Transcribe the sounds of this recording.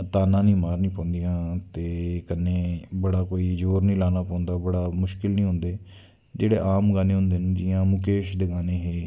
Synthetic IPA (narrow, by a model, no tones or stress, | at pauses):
t̪aːnãːnĩːmaːɾnĩːpɔ̃ːnd̪ijãːt̪eːkənːẽːbəɽaːkoːiːd͡ʒoːɾnĩːlaːnaːpɔ̃ːnd̪aːbəɽaːmʊʃkɪlnĩːɦʊ̃nd̪eː | d͡ʒeːɽḛːʔaːmɡaːnẽːɦʊ̃nd̪eːnd͡ʒijãːmʊkeːʃd̪eːɡaːnẽːɦeː